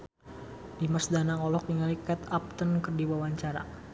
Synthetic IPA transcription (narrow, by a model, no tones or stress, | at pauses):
dimasdanaŋɔlɔk̚niŋalikat̪ap̚t̪ənkərdiwawaɲt͡ʃaɾa̰